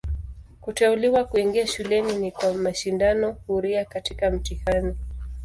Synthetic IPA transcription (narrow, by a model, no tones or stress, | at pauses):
kutɛuliwakuiŋɡiaʃulɛninikwamaʃindanɔhuɾiakatikam̩tihani